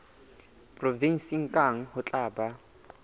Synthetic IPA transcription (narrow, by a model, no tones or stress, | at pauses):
pʼrɔvin̩siŋ̩kʼaŋ̩hʊt͡ɬʼaːba